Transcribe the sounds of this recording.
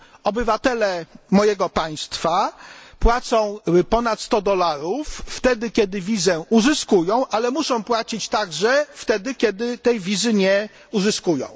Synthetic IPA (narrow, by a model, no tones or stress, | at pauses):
ɔbɘvat̪ɛlɛmɔjɛɡɔpaj̃st̪fapwat̪sɔ̃w̃pɔnat̪st̪ɔd̪ɔlaɾufːt̪ɛd̪ɘkʲɛd̪ɘvʲizɛʔuzɘskujɔ̃w̃ʔalɛmuʂɔ̃w̃pwat͡ɕit͡ɕt̪aɡʐɛft̪ɛd̪ɘkʲɛd̪ɘt̪ɛjvʲizɘɲɛ | uzɘskujɔ̰̃w̃